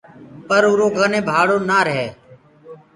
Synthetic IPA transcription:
pəɾʊːɾoːɡənẽːbʱaːɽoːnaːɾəɦeː

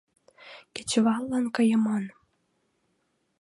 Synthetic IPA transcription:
ket͡ɕβɑlːɑnkəjəmon

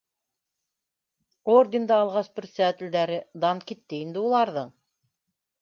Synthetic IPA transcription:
ord̪ʲɪnd̪ɑːlˠʁɑsbɘ̆ɾsæt̪ɘ̆ld̪æɾɘd̪ɑnkit̪ːɘind̪ɘulˠɑɾðɤɴ

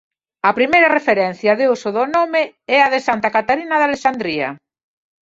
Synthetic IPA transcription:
ɐpɾimejɾɐrefeɾɛn̟θjɐðeusoðonomɪɛɐðesant̪akat̪aɾinɐðalesand̪ɾiɐ̰

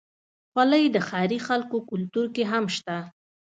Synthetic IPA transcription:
xwaləjd̪əxɑjɾixalkokʊlt̪uɾkeɦamʃt̪a

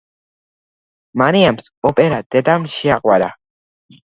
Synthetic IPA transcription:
maniamsopeɾat̪et̪amʃiaqwaɾa̰

